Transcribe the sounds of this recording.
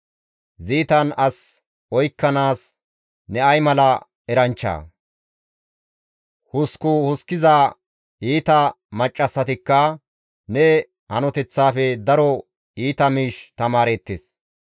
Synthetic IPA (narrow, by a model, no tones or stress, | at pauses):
ziːt̪ɐnɐs | ɔjkːɐnaːs | nɛɐjmɐlɐ | ɛɾɐnt͡ʃːa̰ː | hʊskʊhʊskɪza | iːt̪ɐ | mɐt͡ʃʼːɐsːɐt̪ɪkːɐ | nɛ | hɐnɔt̪ɛt͡sːaːfɛd̪ɐɾɔ | iːt̪ɐmiːʃt̪ɐmaːɾeːt̪ːes